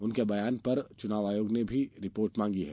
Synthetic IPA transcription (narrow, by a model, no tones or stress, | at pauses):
ʊnkebɐjaːnpɐɾt͡ʃʊnaːʋaːjoːɡnebʱiɾɪpoːɾʈmãːŋɡiɦɛ̰ː